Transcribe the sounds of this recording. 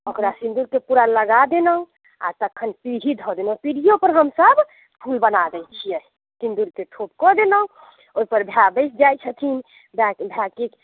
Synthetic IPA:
okɾasind̪ulkepuɾaləɡad̪enəũ | a̰t̪əkʰːənpiɾʱid̪ʱɔd̪enə̃piɽijopəɾɦəmsəb | pʰulbənad̪ɛjt͡ʃʰijɛ | sĩnd̪ulkeʈʰop̚kɔd̪enə̃ | oipəɾbʱjabəjsʰd͡ʒajt͡ʃʰət̪ʰin | bakbʱjakik

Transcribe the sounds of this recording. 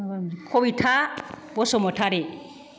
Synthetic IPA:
kʰobitʰa | bɔsɔmɔtʰaɾe

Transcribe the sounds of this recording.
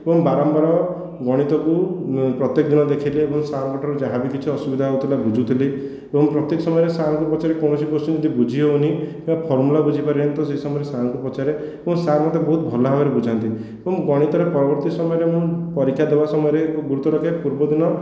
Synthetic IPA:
ebɔŋbaɾɔmpɔɾɔ | ɡɔɽ̃it̪ɔkupɾɔt̪jekɔd̪inɔd̪ekʰileːbɔŋsakɔʈʰɔɾud͡ʒaɦabikit͡ʃʰiɔsubid̪ʱaut̪ʰilabud͡ʒʱut̪ʰile | ebɔŋpɾɔt̪ekɔsɔmɔɔɾesankupɔt͡ʃaɾekɔwnɔsikosũd͡ʒɔd̪ibud͡ʒʱiɦeunikĩapʰɔɾmulabud͡ʒʱipaɾilent̪ɔseisɔmɔɔɾesanŋkupɔt͡ʃaɾe | ebɔŋsamɔt̪ebɔɦut̪̚bʱɔlɔɦabeɾebud͡ʒʱant̪i | ebɔŋɡɔɽ̃it̪ɔɾepɔɾɔbɔɾt̪isɔmɔjɔɾemũpɔɾikʰjad̪ebasɔmɔjɔɾeɡuɾut̪ɔɾɔkʰepuɾbɔd̪inɔ

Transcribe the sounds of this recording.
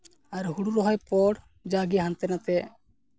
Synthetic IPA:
aɾɦuɽuɾɔɦɔjpɔɽ | d͡ʒaɡiɦant̪ɛnat̪ɛ

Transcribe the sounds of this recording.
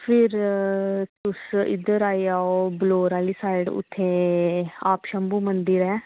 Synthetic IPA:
pʰɪɾ | t̪ʊsɪ̰d̪əɾaːiaːoːbloːɾaːliːsaːɪɖʊ̰t̪ʰːẽː | aːpʃəmbuːmənd̪iɾɛː

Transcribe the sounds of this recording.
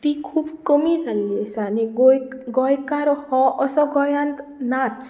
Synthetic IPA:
t̪ikʰubkɔmid͡zalːiesʌːniɡojɡʌjkaɾohʌʔʌsʌɡʌjant̪nat͡s

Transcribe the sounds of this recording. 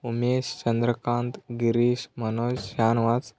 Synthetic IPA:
umeɕt͡ɕənd̪ɾəkãnt̪ɡiɾiɕmənod͡ʑɕanʋat͡s

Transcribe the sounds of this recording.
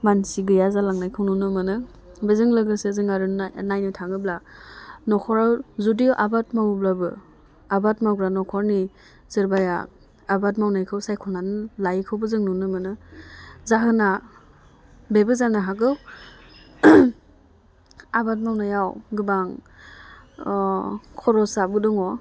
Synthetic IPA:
mansiɡɯjazalaŋnajkʰɯwnunɯmɯnɯ | bɯzɯŋlɯɡɯsezɯŋaɾɯnajnɯtʰaŋɯblanɔkʰɔɾawzudiʔabat̚mawblabɯ̰ | abat̚maɡɾanɔkʰɔɾni | zɯɾbaja̰ː | bat̚mawnajkʰɯwsajkʰɔnanlajkʰɯwbɯzɯŋnunɯmɯnɯ | zaɦɯna | bebɯzanaɦaɡɯw | abat̬̚mawnajawɡɯbaŋ | kʰɔɾɔsabɯdɔŋɔ

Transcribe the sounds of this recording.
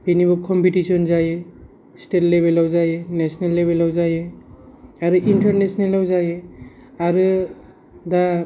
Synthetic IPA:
binibɔkʰɔmpitisiɔnzaje | stetlebelawzajenesɔnalːebelawzaje | aɾuʔintaɾnesɔnalawzaje | aɾɯ | da

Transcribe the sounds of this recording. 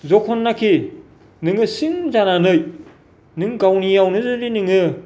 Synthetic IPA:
zɔkʰɔnːakʰi | nɯŋɯsiŋzananɯj | nɯŋɡawnijawnɯzɯɾinɯŋɯ

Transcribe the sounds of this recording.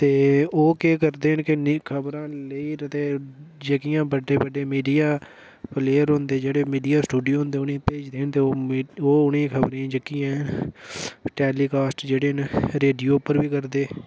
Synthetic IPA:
t̪eːoːkeːkəɾd̪eːɦənkɪnkʰəbɾãːləiːət̪eːd͡ʒəkijãːbəɖeːbəɖeːmiːɖijaː | pʰleːəɾɦʊ̃nd̪eːd͡ʒeːɽeːmiːɖijaːsʈuːɖijoːɦʊ̃nd̪eːʊnẽːpeːd͡ʒd̪eːɦənt̪eːooːʊnẽːkʰəbɾiːãːd͡ʒəkɪjãːɦn | ʈɛːliːkaːsʈd͡ʒeːɽeːnɾeːɖijoːpəɾbiːkəɾd̪eː

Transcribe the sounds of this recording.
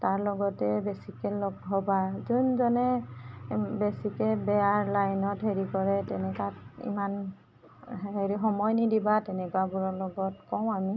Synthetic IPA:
taɹlɔɡɔtɛbesikɛlɔɡɦɔbazunzɔnɛ | besikɛbɛaɹlajnɔtɦeɹikɔɹɛtɛnɛkatḭman | ɦeɹiɦɔmɔjnidibatɛnɛkwabuɹɔlɔɡɔtkɔw̃ami

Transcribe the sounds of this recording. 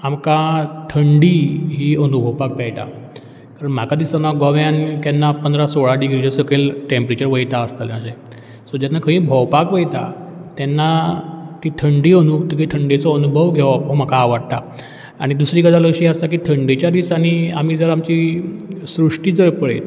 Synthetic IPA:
amkat̪ʰəɳɖiːɦiːənubʱəʋpak̚pɛjʈ̪a̰ | kaɾəɳm̤akad̪isanaɡɔʋjankɛnːapənd̪ɾasoɭaɖiɡɾid͡ʑəsəkelʈempɾet͡ɕəɾʋəjt̪aəst̪aləɕẽ | sod͡ʑanːakʰə̃ĩːbʱəʋpakʋəjt̪a̰t̪ɛnːat̪iːt̪ʰəɳɖiːənuk̚t̪ikit̪ʰəɳɖet͡sɔənubʱəʋɡʱeʋaom̤akaːʋaɽt̪a | aɽ̃id̪usɾiːɡəd̪aləɕiːəst̪ak̬iːt̪ʰəɳɖit͡ɕjad̪isaniam̤iːd͡zəɾamt͡ɕiːsɾuʂʈiːd͡zəɾpəɽet̪

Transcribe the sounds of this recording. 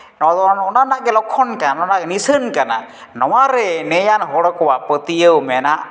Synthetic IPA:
nɔd̪ɔɔnanaʔɡɛlɔkʰːɔnkanɔnaʔɡɛnisənkana̰ | nɔwaɾɛnɛjanɦɔɽɔkɔwaʔpət̪ijəwmɛnaʔ

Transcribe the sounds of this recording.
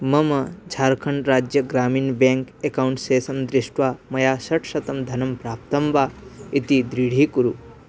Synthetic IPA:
mɐmɐd͡ʒʱaːɾkʰɐɳɾaːd͡ʒjɐɡɾaːmiːnbẽːŋkekawɳʈseːsɐmd̪ɾɪʃʈʋaːmɐjaːsɐʈʰsɐt̪ɐmd̪ʱɐnɐmpɾaːp̚t̪ɐmbaːit̪id̪ɾiɽ̤ʱiːkuɾu

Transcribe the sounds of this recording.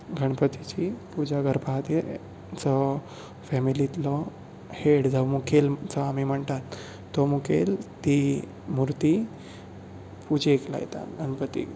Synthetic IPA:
ɡʱəɳpət̪it͡ɕipud͡ʑaɡəɾbʱat̪e | t͡sɔ | fɛmilit̪lɔ | heɽd͡zɔmukʰelt͡sɔamim̤əɳt̪at̪ː | ɔmukʰelt̪i | muɾt̪i | pud͡ʑeekla̰jḛt̪a̰ɡʱəɳpət̪ḭ

